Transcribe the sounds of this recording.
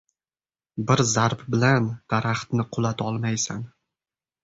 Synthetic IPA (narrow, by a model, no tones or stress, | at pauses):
bɪɾzaɾpbɪland̪̥aɾaχt̪nɪqʰʊlˠat̪ʰɒlˠmajsan